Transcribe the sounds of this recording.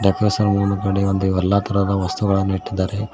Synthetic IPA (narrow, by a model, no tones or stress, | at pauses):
ɖɐkɾesɐɾmuːnukɐɽeond̪uʋɐɾlːaːt̪ɐɾɐd̪ɐʋɐst̪uɡɐɭɐniʈːid̪ːaːɾe